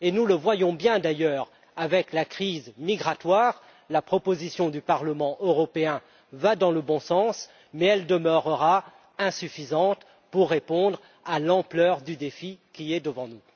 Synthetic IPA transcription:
enuləvwajɔ̃bjɛ̃d̪ajœːʁ | avɛklakχizmiɡʁat̪waːʁ | lapχɔpozisjɔ̃d̪ypaʁləmɑ̃ʔøʁɔpeɛ̃ | vad̪ɑ̃ləbɔ̃sɑ̃s | mɛɛld̪əmœʁəʁa | ɛ̃syfizɑ̃t̪ | puʁːepɔ̃d̪ʁ | alɑ̃plœʁd̪yd̪efikʲiɛd̪əvɑ̃nu

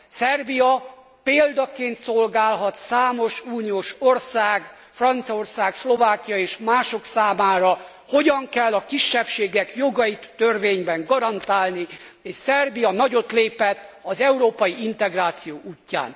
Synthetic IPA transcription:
sɛrbijɒ | peːld̪ɒkeːnt̪so̞lɡaːlɦɒt̪saːmo̞ʃuːnijoːʃo̞rsaːɡ | frɒnt̪sio̞rsaːkslo̞vaːkijɒeːʃmaːʃo̞ksaːmaːɾɒ | ho̞ɟɒŋkɛlːɒkiʃːɛpʃeːɡɛkjo̞ɡɒjit̪ːørveːɲbɛŋɡɒɾɒnt̪aːlni | eːʃsɛrbijɒnɒɟo̞t̪leːpɛt̪ːɒzɛuɾoːpɒjiint̪ɛɡraːt̪sijoːʔuːcːa̰ːn

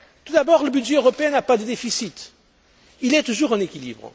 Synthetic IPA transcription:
t̪ud̪abɔʁləbydʒɛøʁɔpeɛ̃napad̪əd̪efisit̪ | ilɛt̪uʒuʁɛ̃nekʲilḭbʁə̰

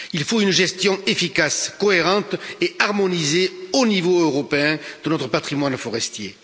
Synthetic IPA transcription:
ilfoynʒɛst̪jɔ̃efikaskɔeʁɑ̃t̪eaʁmɔnizeonivoøʁɔpeɛ̃d̪̥ənɔt̪χəpat̪χimwanfɔʁɛst̪jḛ

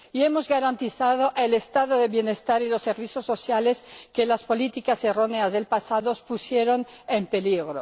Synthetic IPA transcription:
ie̞mo̞zɣaɾant̪iθaðoʔelest̪aðoðe̞βje̞ne̞st̪aɾilo̞sːe̞ɾβiθjosːo̞sjale̞skelaspo̞lit̪ikase̞ro̞neazðe̞lpasaðospusje̞ɾo̞nempe̞liɣ̞ɾo

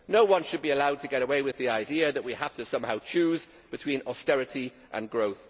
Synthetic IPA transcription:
noʊwʌ̃nʃəd̚biəlaʊd̚tʰəɡɛɾəweɪwɪðiaɪdiəðəʔwihaftəsʌ̃mhaʊt͡ʃʰʉːz | b̥ɪtʰw̥ĩnɒstɛɹɪti | ʔə̰̃nɡɹoʊθ

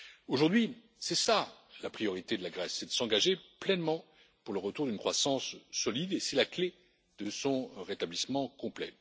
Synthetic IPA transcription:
oʒuʁd̪ɥi | sɛsalapχijɔʁit̪ed̪əlaɡʁɛsːɛd̪əsɑ̃ɡaʒeplɛnmɑ̃ | puʁləʁət̪uʁd̪ynkχwasɑ̃sːɔlid̪esɛlakle | d̪əsɔ̃ʁet̪ablismɑ̃kɔ̃plɛ̰

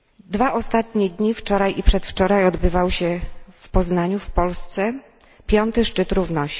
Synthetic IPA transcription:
d̪vaʔɔst̪at̪̚ɲɛd̪ɲift͡ʂɔɾajʔipʂɛt̪ft͡ʂɔɾajɔd̪bɘvawɕɛfpɔznaɲufpɔlst̪sɛ | pʲjɔnt̪ɘʂt͡ʂɘt̪ɾuvnɔɕ

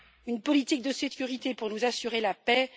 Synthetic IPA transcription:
ynpɔlit̪ik̚d̪əsekʲyʁit̪epuʁnuzasyʁelapɛ

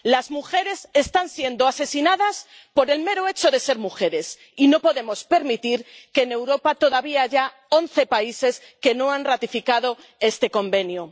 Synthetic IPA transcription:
lazmuxe̞ɾe̞se̞st̪ansje̞nd̪oase̞sinaðas | po̞ɾe̞lme̞ɾoe̞t͡ʃo̞ðe̞se̞ɾmuxe̞ɾe̞s | ino̞po̞ðe̞mo̞spe̞ɾmit̪iɾkeːne̞wɾo̞pat̪o̞ðaβiaaʝa | o̞nθe̞paise̞s | ke̞no̞anrat̪ifikaðo̞ | e̞st̪e̞ko̞mbe̞nju

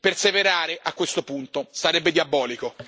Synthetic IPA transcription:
perseveɾaːɾeʔakːwest̪opunt̪osaɾɛbːed̪jabːɔːliko

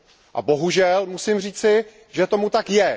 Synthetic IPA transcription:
ʔa̰bo̞ɦuʒɛlmusɪmr̝iːt͡sɪ | ʒɛt̪o̞mut̪akjɛ

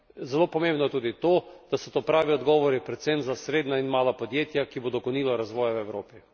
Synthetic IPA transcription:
zɛlopɔmẽmbnɔjɛt̪uːd̪it̪oːd̪̥asɔt̪opɾaːʋiɔd̪ɡɔʋɔɾipɾɛt̪semzasɾeːd̪nainmaːlapɔd̪jeːt̪jakibod̪ɔkɔniːlɔɾazʋɔːjawɛwɾoːpi

